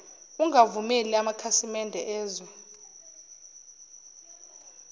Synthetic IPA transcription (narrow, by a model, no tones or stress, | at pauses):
uŋʱavumɛliamakʰasimɛndʱɛʔɛːzɔ